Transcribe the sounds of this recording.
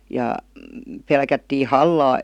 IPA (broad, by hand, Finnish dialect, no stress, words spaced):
jɑ pelkætːiː hɑlːɑː